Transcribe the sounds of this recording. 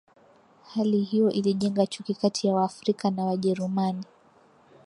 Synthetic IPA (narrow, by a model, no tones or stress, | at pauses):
halihijɔʔiliʄɛŋɡat͡ʃukikatʰijawaːfɾikanawaʄɛɾumani